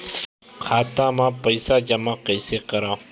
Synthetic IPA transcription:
kʰaːt̪ãːmãːpəjsaːd͡ʒɐmaːkɐjsekɐɾaː

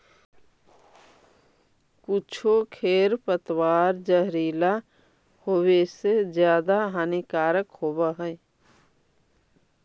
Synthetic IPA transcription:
kʊt͡ʃʰokʰeːɾpət̪waːɾd͡ʒəɦɾiːla | hoːwesezjaːd̪aɦanikaːɾəkhowaɦɛː

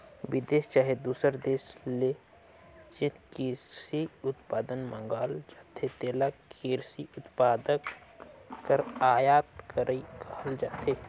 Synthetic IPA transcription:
ʋɪd̪eːst͡ʃaːɦed̪uːsəɾd̪eːʃle | t͡ʃɪkiːɾsiʊt̪paːd̪ənmə̃ŋɡaːld͡ʒat̪ʰːet̪eːlakʰiːɾsiʊt̪paːd̪əkː | əɾaːjaːt̪kʰəɾikɐhəld͡ʒaːt̪ʰeː

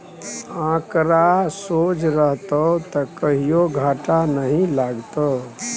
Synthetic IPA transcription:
ãkɾasod͡ʒɾəɦt̪ət̪əkəɦijoɡʱaʈanəɦĩlaɡt̪ə

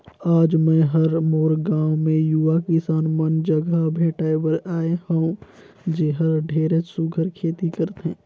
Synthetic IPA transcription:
aːd͡ʒmɛ̃ɦɐɾmoːɾɡãːwmẽjuʋakɪsaːnmənd͡ʒəɡəbʱeːʈaːewəɾaːehə̃ũ | d͡ʒeːɦəɾɖʱeːɾet͡ʃsuɡʱəɾkʰeːt̪ikəɾt̪eɦɛ̃ː

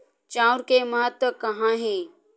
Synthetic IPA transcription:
t͡ʃãːʊɾkemɐɦət̪wəkɐɦãɦɛ̃ː

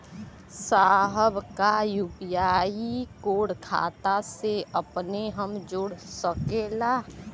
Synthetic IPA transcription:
saːɦəbkajubijaːikoːɽkʰa̰ːt̪aseəpneɦəmd͡ʒʊɽsəkelaː

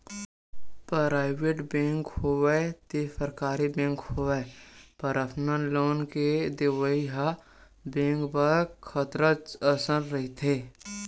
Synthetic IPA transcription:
pɾɾaːɪʋeːʈbẽːŋkhowɛt̪esəɾkaːɾibẽːŋkhoɛpəɾəpʰnənloːnked̪eʋəiɦa | bẽːŋkbəɾkʰət̪ɾət͡ʃəsəɾɾɐɦit̪ʰeː

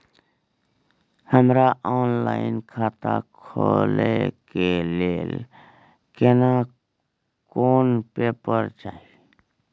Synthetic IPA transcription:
həmɾaʔɔːnlaːɪnkʰaːt̪a̰kʰolekeleːl | kena | koːnpeːpəɾt͡ʃaːi

